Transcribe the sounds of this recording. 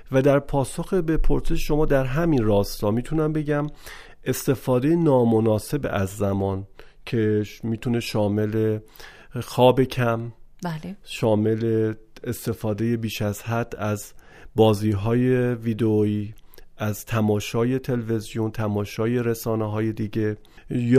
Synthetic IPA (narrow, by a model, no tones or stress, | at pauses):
væd̪æɾpʰɒːsoxebepʰoɾse̞ʃʃo̞mɒːd̪æɾɦæminrɒːst̪ɒːmiːt̪ʰunæmbe̞ɟæm | e̞st̪e̞fɒːd̪e̞jenɒːmo̞nɒːse̞bʔæzːæmɒːncʰe̞miːt̪ʰune̞ʃɒːme̞le̞ | xɒːbe̞cʰæm | ʃɒːme̞leest̪e̞fɒːd̪e̞je̞biːʃæz̥hæd̪̥ːæz | bɒːziːɦɒːje̞viːd̪eoiːʔæzt̪ʰæmɒːʃɒːje̞t̪ʰe̞leve̞zijont̪ʰæmɒːʃɒːje̞ɾesɒːneɦɒːje̞d̪iːɟe̞ | j